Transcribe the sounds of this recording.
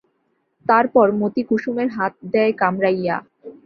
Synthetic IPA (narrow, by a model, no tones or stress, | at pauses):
t̪aɾpɔɾmot̪ikuʃumeɾɦat̪̚d̪ɛekamɾaja̰